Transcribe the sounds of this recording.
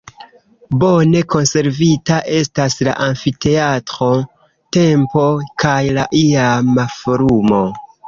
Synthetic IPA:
bo̞ne̞ko̞nse̞ɾvitaʔe̞stasla̰ʔaɱfite̞atɾo̞ | te̞mpo̞kajlaʔiamafoɾumo̞

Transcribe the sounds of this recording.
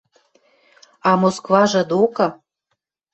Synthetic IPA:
ɑmoskvɑʒɤ̆d̪okɤ̆

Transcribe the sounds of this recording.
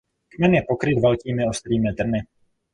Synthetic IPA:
kmɛnjɛpokɾɪt̪vɛlkiːmɪost̪ɾiːmɪd̪r̩nɪ

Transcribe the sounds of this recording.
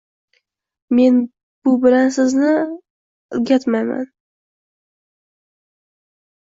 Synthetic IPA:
me̞n | b̥ʊbɪlansɪznɪ | ʊlɡʲat̪majma̰n

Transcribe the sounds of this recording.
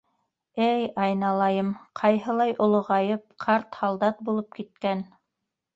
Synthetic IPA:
ɘjɑjnɑlˠɑjɤmqʰɑjɦɤ̆lˠɑjʔŏlˠŏʁɑjɤp̚qʰɑɾt̪hɑlˠd̪ɑt̪̚bulˠɤp̚kit̪̚kæn

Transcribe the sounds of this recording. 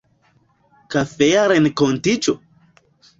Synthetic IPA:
kafeaɾenekont̪it͡ʃo

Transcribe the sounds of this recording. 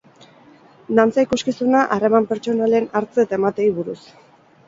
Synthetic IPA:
nant͡saikuskisunaʔare̞mampe̞ɾt͡ʃo̞nale̞naɾt͡se̞t̪aemat̪e̞iβuɾus

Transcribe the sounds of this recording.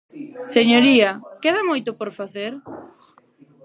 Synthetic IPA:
seɲoɾiɐkeðamojt̪opoɾfaθeɾ

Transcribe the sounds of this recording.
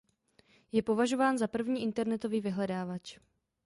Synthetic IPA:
jɛpo̞vaʒo̞vaːnzapr̩vɲiːʔɪnt̪ɛɾnɛt̪o̞viːvɪɦlɛdaːvat͡ʃ

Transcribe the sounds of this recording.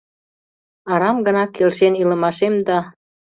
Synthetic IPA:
ɑɾɑmɡə̆nɑkːelʃenilə̆mɑʃemd̪ɑ

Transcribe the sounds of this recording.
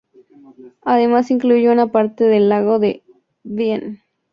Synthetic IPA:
aðemasiŋkluʝounapaɾt̪eðelːaɣoðe | βjen

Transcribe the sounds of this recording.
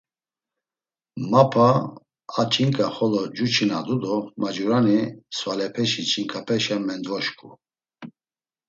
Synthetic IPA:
mapʰa | at͡ʃʰʼiŋkʼaχɔlɔd͡ʒut͡ʃʰinad̪ud̪ɔmad͡ʒuɾanisvalɛpʰɛʃit͡ʃʰʼiŋkʰapʰɛʃamɛnd̪vɔʃkʼu

